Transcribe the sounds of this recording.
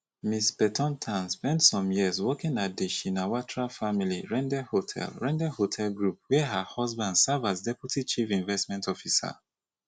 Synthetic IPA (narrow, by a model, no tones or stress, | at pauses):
mispɛtʰɔ̃ntʰãnspɛ̃ntsɔ̃mjiəzwɔkĩŋat̚deʃĩnawatɹafamiliɹɛ̃ndɛhotʰɛ̰lɹɛ̃ndɛhotʰɛlɡɹup̚wɛɦahɔsbãndsavazdɛputit͡ʃifĩɱvɛstmɛ̃ntʰɔfisa̰